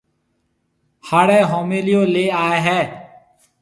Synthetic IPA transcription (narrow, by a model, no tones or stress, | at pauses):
haːɽeːɦoːmeːlɪjõːleːaːeːɦɛː